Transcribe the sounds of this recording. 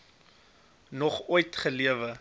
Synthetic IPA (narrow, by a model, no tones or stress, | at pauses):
nɔχujtχəliəvə